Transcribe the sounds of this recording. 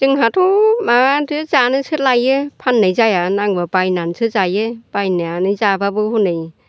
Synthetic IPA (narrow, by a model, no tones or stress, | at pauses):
zɯŋɦatʰɔmaatɯzanɯsɯt̚lajɯpʰanːɯjzajanaŋbabajnansʰɯzajɯb̥ajnaanɯzababɯhunɯj